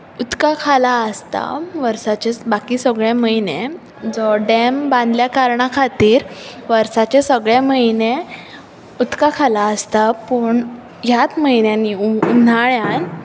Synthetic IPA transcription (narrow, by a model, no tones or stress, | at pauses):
ut̪kakʰalaəst̪a̰ʋəɾsat͡ɕebakiːsəɡɭeməine | d͡zɔɖembãnd̪ljakaɾɳakʰat̪iːɾʋəɾsat͡ɕesəɡɭeməine | ut̪kakʰalaəst̪apəɳ | ɦjat̪məinjaniun̤aɭjãn